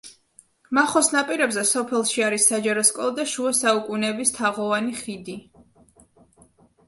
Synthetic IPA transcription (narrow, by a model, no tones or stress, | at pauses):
maχɔsnapʼiɾɛbzɛsɔpʰɛlˠʃiaɾisːad͡ʒaɾɔskʼɔlˠad̪aʃuɛsaukʼunɛbist̪ʰaʁɔvaniχid̪i